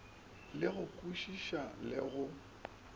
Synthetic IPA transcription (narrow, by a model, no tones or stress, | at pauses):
lɪɣʊkʼuʃiʃalɪ̰ɣʊ